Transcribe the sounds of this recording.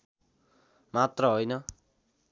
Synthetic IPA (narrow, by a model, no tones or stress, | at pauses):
mat̪rʌɦojnʌ